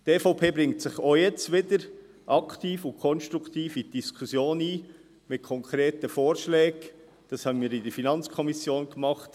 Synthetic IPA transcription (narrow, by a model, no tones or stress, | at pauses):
deːfoʊpʰeːbɾɪŋtsɪχojɛt͡stʋɪd̥əɾ | ʔɑkʰt̪iːfʊnkʰɔnʃt̪ɾukt̪iːfid̥iskʰusjoːniː | mɪt̚kʰɔŋkʰɾeːtəfoːɾʃlɛːɡ | d̥ɑshɑbənmiːɾɪdəɾfinɑnt͡skʰɔmisjoːnɡmɑχt